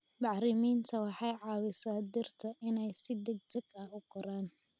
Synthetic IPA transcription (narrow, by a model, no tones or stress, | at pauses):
bɑħɾɪmiːnt̪ʰɐwɑħɑjʕɑːwɪsaːd̪ɪrt̪ʰɐʔɪnɛjsɪd̪ɐɡ̚t͡ʃɐɡɐʊqɔɾaːn